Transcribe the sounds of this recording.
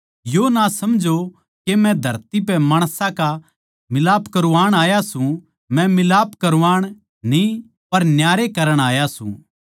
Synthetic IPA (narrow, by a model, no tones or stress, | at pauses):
jonasɐmd͡ʒʱo | kemɛ̃d̪ʱɐɾt̪ipɛmaːɽ̃sãka | mɪlaːpkɐɾuʋaːɽ̃aːjasũ | mɛ̃mɪlaːpkɐɾʋaːɽ̃ | nĩ | pɐɾnjaːɾekɐɾəɽ̃aːjasṵ̃